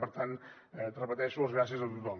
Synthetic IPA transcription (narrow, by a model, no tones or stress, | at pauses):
pəɾt̪an | ɛt̪rəpət̪ɛʃuəzɣɾasiəzəlˠt̪ut̪ɔm